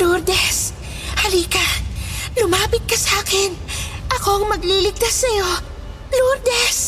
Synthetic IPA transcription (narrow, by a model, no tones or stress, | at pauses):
luɾd̪ɛs | hɐliːkɐlʊmaːpɪt̪̚kɐsaːkɪnʔɐko̞ɐŋmɐɡliːlɪɡ̚t̪asːɐjo̞ | luɾd̪ɛs